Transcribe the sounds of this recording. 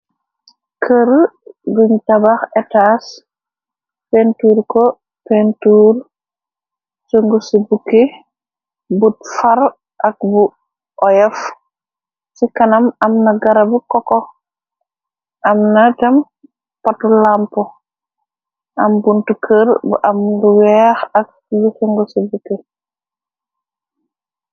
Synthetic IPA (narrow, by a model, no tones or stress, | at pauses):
kʰəɾɡuɲtabaxɛtas | pentuːɾkɔ | pentuɾ | suŋɡusibukːi | butfaɾ | ʔɐk̚bu | ʔɔjɛf | sikɐnɐmɐmnɐɡaɾɐbukɔkɔ | ʔɐmnad͡ʒɐm | patulampɔ | ʔɐmbuntukʰəɾbṵʔamnduwɛxɐk̚ | jusəŋɡɔsibukːi